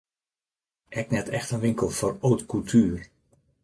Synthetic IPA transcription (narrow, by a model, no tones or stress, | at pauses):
ʔɛknɛtʰɛxtənʋɪŋkəlˠfɔroːtkʰulˠtʰyːr